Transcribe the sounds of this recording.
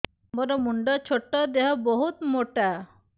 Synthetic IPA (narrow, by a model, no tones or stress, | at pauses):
bɔɾɔmuɳɖɔt͡ʃʰoʈːɔd̪eɦɔboɦut̪moʈa